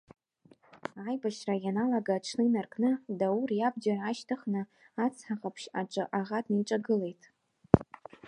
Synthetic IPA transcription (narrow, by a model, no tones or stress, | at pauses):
ajbaʃrajanalaɡaʈ͡ʂʰnɨinarkʰʼnɨdawurjab̚d͡ʒaaʃtʰaχnɨ | at͡sʰħaqʼapʰʃaʈ͡ʂʷʼɨʔaʁatʰʼniʈ͡ʂʼaɡɨle̞jtʼ